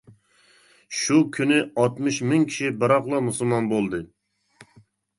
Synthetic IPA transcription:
ʃukʲʰynɪɑt̪mɨʃmɪŋkʲʰi̥ʃibɨɾɑqlˠɑmusulˠmɑnbolˠd̪ɨ

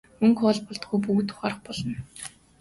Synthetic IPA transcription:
ɵŋkɔːɮpɔɮt̪̚ɡujp̬uɣt̪ʰʊ̥χaːrə̆χpɔɮɞ̆n

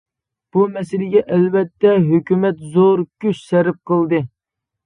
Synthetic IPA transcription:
b̥umɛsɪlɪɡʲɛʔɛlvɛt̪ːɛɦøkʲymɛt̪zoɾkʲʰyt͡ʃsɛɾɪp̚qəlˠd̪ɨ

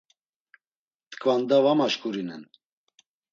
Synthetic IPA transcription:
t̪kʰʼvand̪avamaʃkʰuɾinɛn

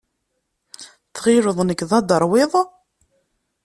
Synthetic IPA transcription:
θʁɪɾəðˤnəkðɑd̪əɾˤwɪðˤ

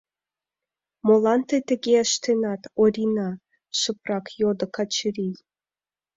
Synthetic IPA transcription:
molɑnt̪et̪əɣeəʃt̪enɑt̪oɾʲinɑ | ʃəprɑkjod̪ə̆kɑt͡ɕəɾij

